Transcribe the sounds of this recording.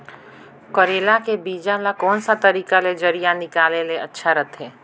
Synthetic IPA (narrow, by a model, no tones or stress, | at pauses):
koɾeːlakebiːd͡ʒãlakɔːnsat̪ɐɾiːkaled͡ʒɐɾijanɪkaːleleɐtːʃʰaɾɐt̪ɦɛː